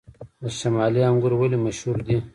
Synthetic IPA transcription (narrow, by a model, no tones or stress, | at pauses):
d̪əʃamɑːliaŋɡuɾwalimaʃhuɾd̪i